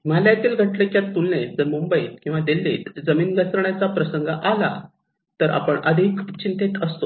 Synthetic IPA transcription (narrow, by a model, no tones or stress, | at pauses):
maljat̪iːlɡʱəʈlekjat̪ulːed͡zəɾmumbəit̪kĩw̃ʋad̪elːet̪d͡zəmiːnɡəsɾəɳjat͡sapɾəsəŋɡʱaʔala̰ | t̪əɾʔa̰pəɳəd̪ʱikʰt͡ɕint̪et̪əst̪o